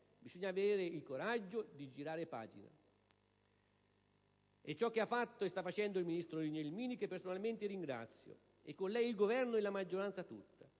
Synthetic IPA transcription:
bisɔɲːavd̪eːɾeilkoɾad͡ʒːod̪id͡ʒiɾaːɾepa̰ːd͡ʒḭna̰ | et͡ʃːɔkːeafːat̪ːoɛst̪afːat͡ʃɛnd̪oilminist̪ɾoɾiɲɛlmiːnikepːersonalment̪ɪɾiŋɡɾa̰t̪sːjo̰ | ekːonlɛjilɡovɛrnoɛlamad͡ʒːoɾant̪sat̪ṵt̪ːa

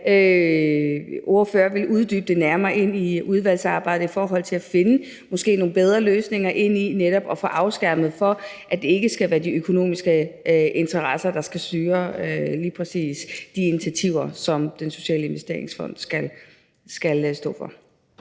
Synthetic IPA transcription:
ø | o̝ɐfø̰ːɐʋe̝lʔuð̞ˠd̥yːb̥əd̥e̝næɐmɐːʔe̝n̰iuð̞ˠʋæl̰sɑ̈ːb̥ɑ̈ɪd̥̩ˠifɒːɦɒ̽l̰t͡sʰe̝læfe̝nə | mɒ̽sɡ̥e̝̰ːno̝ːn̩b̥eð̞ˠʁɐløːsne̝ŋɐʔe̝n̰ineɾ̥ɒ̽b̥ɒ̽fɒ̽ʔɑ̈ʊsɡ̥æɐ̰mð̩ˠfɒ̽ʔæd̥e̝e̝ɡ̥əsɡ̥æʋæːɐd̥iøkʰo̝no̝̰ːmisɡ̥əʔe̝nt͡sʰɐʁɑsɐd̥ɑ̈sɡ̥æsd̥yːɐliːpʰʁɛsḭːsd̥iinit͡sʰæt͡sʰiʊ̰ɐsɒ̽md̥enso̝̥ɕɛ̰ːləe̝nʋesd̥e̝ɐ̰e̝ŋsfɒ̽n̰d̥sɡ̥æl | sɡ̥ælsd̥ɔ̰̽ːfɒ̽

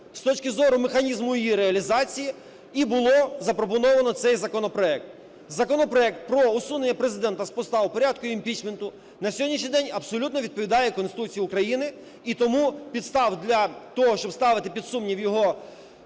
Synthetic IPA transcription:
st̪ɔt͡ʃkɪzɔɾʊmexɐnʲizmʊjjiɾeɐlʲizɑt͡sʲiji | ibʊlˠɔzɐpɾɔpɔnɔʋɐnɔt̪sɛjzɐkɔnɔpɾɔɛk̚t̪ | zɐkɔnɔpɾɔɛk̚t̪̚pɾɔʊsunenʲːɐpɾezɪd̪ɛnt̪ɐspɔst̪ɑʋʊpɔɾʲad̪kʊjimpʲit͡ʃment̪ʊ | nɐsʲɔdʲnʲiʃɲʲijd̪ɛnʲɐpsɔlʲut̪nɔʋʲid̪̚pɔʋʲid̪ɑjɛkɔnsɪt̪ut͡sʲijʊkɾɐjinɪ | it̪ɔmupʲid̪st̪ɑwd̪lʲɐt̪ɔɦɔʃt͡ʃɔbst̪ɑʋɪt̪ɪpʲid̪sumnʲiwjɔɦɔ

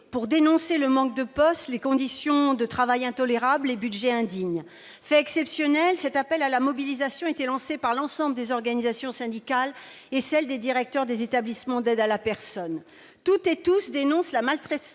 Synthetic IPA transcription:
puʁd̪enɔ̃seləmɑ̃k̚d̪əpɔst̪lekɔ̃d̪isjɔ̃d̪ət̪χavajɛ̃t̪ɔleʁablebyd̪ʒɛɛ̃d̪iɲ | fɛɛksɛpsjɔnɛlsɛt̪apɛlalamɔbilizasjɔ̃et̪ɛlɑ̃sepaʁlɑ̃sɑ̃bləd̪ezɔʁɡanizasjɔ̃sɛ̃d̪ikal | esɛld̪ed̪iʁɛk̚t̪œʁd̪ezet̪ablismɑ̃d̪ɛd̪alapɛʁsɔn | t̪ut̪et̪usd̪enɔ̃slamalt̪χɛ

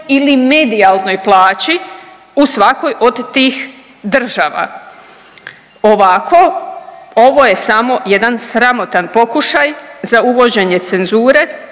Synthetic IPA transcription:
ilimed̪ialˠno̞jplˠaːt͡ɕi | usʋako̞jʔo̞d̪t̪iːx | d̪r̩ʒaʋa̰ | oʋakʰo̞ | o̞ʋo̞je̞samo̞jed̪ansɾamo̞t̪anpo̞kuʃajzauʋo̞d͡ʑe̞ɲe̞t̪se̞nzuːɾe̞

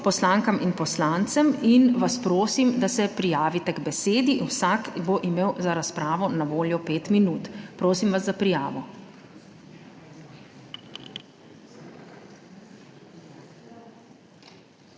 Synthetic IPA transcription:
pɔslaːŋkaminpɔslaːnt̪sɛminʋaspɾoːsimd̪asɛpɾijaːʋit̪ɛɡbɛseːd̪iwsakboʔimeːwzaɾaspɾaːʋɔnaʋoːljɔpeːt̪minuːt̪pɾoːsimʋazːapɾijaːʋɔ

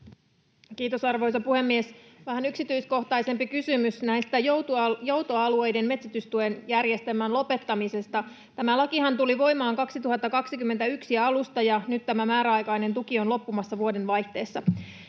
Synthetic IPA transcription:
kiːt̪o̞sɑrʋo̞jsɑpuhe̞mːiesʋæɦænyksit̪yisko̞ht̪ɑise̞mpikysymysnæist̪æjojo̞wt̪oɑlue̞jde̞nme̞t̪sæt̪yst̪uenjærje̞st̪emːænlo̞pe̞t̪ːɑmise̞st̪ɑ | t̪æmælɑkihɑnt̪uliʋo̞imɑːŋkɑksit̪uɦɑt̪ːɑkɑksikymːe̞nt̪æyksiɑlust̪ɑjɑnyt̪t̪ːæmæmæːɾæɑjkɑjne̞nt̪ukio̞nlo̞pːumɑsːɑʋuo̞de̞nʋɑjht̪e̞ːsːɑ

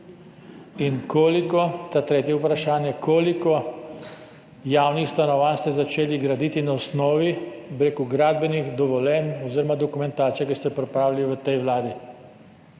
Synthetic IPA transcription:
inkoːlikɔt̪at̪ɾeːt̪jɛupɾaʃaːnjɛkʰoːlikɔ | jaːwnixst̪anɔʋanst̪ɛzat͡ʃeːliɡɾad̪it̪inaɔsnɔːʋibɾeːkɔɡɾaːd̪̚bɛnixd̪ɔʋɔlɛnɔziːɾɔmad̪ɔkumɛnt̪aːt̪sijakist̪ɛpɾɛpɾaːwlʲaliʋət̪ɛjʋlaːd̪i

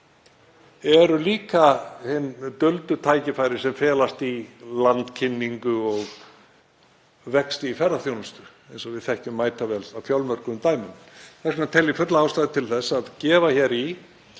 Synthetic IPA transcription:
ɛɾʏliːkahɪnːt̪œlt̪ʏt̪ʰaːjcɪfaːjɾɪ̥sɛmfɛːlast̪ilant̪cʰɪnːiŋkʏɔɣ | vɛkst̪ɪifɛrːaθjownʏst̪ʏ̥ | ejnsɔvɪðθɛht̪ʏmːaːjt̪avɛlawfjawlmœɾ̥kʏmt̪aːjmʏnθaɾskʰɔnat̪ʰɛlːɪfʏt̪laawst̪aːðɪt̪ʰɪlθɛsaðcɛːvaçɛɾi

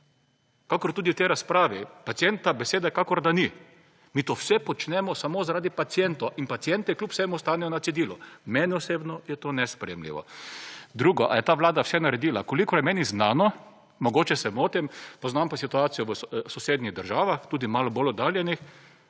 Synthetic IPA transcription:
kakɔɾt̪uːd̪iwt̪ɛjɾaspɾaːʋipat̪siɛnt̪abɛseːd̪ɛkakɔɾd̪ani | miːt̪owsɛpɔt͡ʃnɛmɔsamoːzaɾaːd̪ipat̪sjɛnt̪oʔinpat̪siɛnt̪ɛklʲjupwsɛmust̪aːnɛjɔnat̪sid̪iːlɔmɛnɛɔseːbnɔjɛt̪oːnɛspɾɛjɛmlḭʋɔ̰ | d̪ɾuːɡɔʔa̰jɛt̪aːʋlaːd̪awsɛnaɾɛd̪iːlakolikɔɾjɛmɛniznaːnɔ | mɔɡoːt͡ʃɛsɛmoːt̪impɔznampasit̪uaːt̪sijɔʋəsɔseːd̪niɣd̪əɾʒaːʋaxt̪uːd̪imaːlɔbolɔd̪aːljɛnix

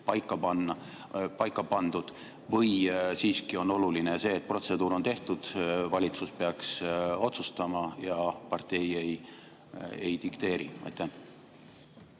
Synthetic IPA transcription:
pɑjkːˑɑpɑnːɑ | pɑjkːˑɑpɑnd̪̥ud̪̥ | vɤjsiːskio̞no̞lulinese̞ːt̪̚pro̞t̪se̞d̪̥uːɾo̞nt̪e̞ht̪ud̪̥vɑlʲit̪suspeɑkso̞t̪sust̪ɑmɑjɑpɑrt̪e̞jej | ejt̪ikt̪e̞ːɾḭɑ̰jt̪ːˑæ

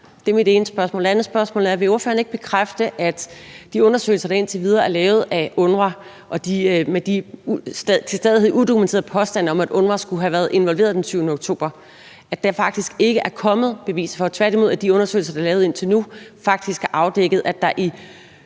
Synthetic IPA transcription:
d̥eɐmid̥e̝ːnəsb̥ɶɐsmɔ̰ld̥e̝ænð̩ˠsb̥ɶɐsmɔ̰ːlæɐʋe̝o̝ɐfø̰ːɐne̝ɡ̥̚b̥e̝kʰʁafd̥əʔæd̥d̥iɔ̽nɐsø̰ːɪl̩sɐɾ̥ɑ̈e̝nt͡sʰeʋið̞ˠɐːæɐlɛːʊð̞̩ˠæɔ̽nʁɐ | ʔɒ̽d̥imed̥i̥ | t͡sʰe̝sd̥eð̞ˠihe̝̰ud̥o̝kument͡sʰe̝ːɐð̩ˠpʰɒ̽sd̥æn̰ɒ̽mæd̥ɔ̽nʁɐsɡ̥uɦæʋæːɐð̩ˠe̝nʋɒ̽lʋe̝ːɐðˠd̥ensʰyːʊnəoɡ̥t͡sʰo̝̰ːb̥ɐ | ʔæd̥ɑ̈fɑ̈ɡ̥̚d̥isɡ̥e̝ɡ̥əʔæɐkʰɒ̽mð̞̩ˠb̥e̝ʋḭːsəfɒ̽t͡sʰʋæɐd̥imo̝ð̰ˠæd̥iɔ̽nɐsø̰ɪl̩sɐd̥ɑ̈lɛːʊð̩ˠe̝n̰t͡sʰe̝lnufɑ̈ɡ̥̚d̥isɡ̥æɐʔɑ̈ʊd̥eɡ̥ð̩ˠæd̥ɑ̈ʔi

